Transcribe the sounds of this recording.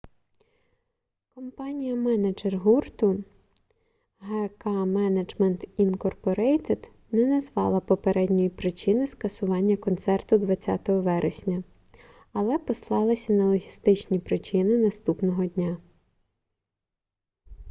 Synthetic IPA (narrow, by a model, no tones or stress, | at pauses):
kɔmpɑnʲijɐmɛnɐd͡ʒerɦurt̪ʊ | ɦɛkɑmɛnɐd͡ʒmɛnt̪inkɔrpɔɾɛjt̪ed̪̥ | nɛnɐzʋɑ̰lˠɐpɔpeɾɛdʲnʲɔjipɾɪt͡ʃɪnɪskɐsʊʋɑnʲːɐkɔnt̪sɛrt̪ʊd̪ʋɐt͡sʲːa̰ɑ̰t̪ɔɦɔʋɛɾʔesʲnʲɐ | ɐlˠɛpɔslˠɑlˠɐsʲɐnɐlˠɔɦʲist̪ɪt͡ʃnʲipɾɪt͡ʃɪnɪnɐst̪upnɔɦɔdʲnʲa